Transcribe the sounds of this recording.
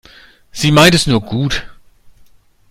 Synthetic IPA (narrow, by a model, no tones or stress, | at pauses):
z̥iːmaɪntɛsnuːɐɡuːt